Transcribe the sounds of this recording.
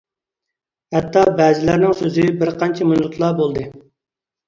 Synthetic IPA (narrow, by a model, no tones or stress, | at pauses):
hɛt̪ʰːɑbɛːzɪlæɾnɪŋsøzɪbɪɾqʰɑnt͡ʃʰɛmunʊt̪ʰlˠɑbolˠd̪ɨ